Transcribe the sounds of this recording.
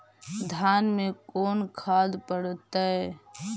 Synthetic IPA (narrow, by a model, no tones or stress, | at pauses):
d̪ʱaːnmẽkoːnkʰaːd̪pəɽt̪aɛ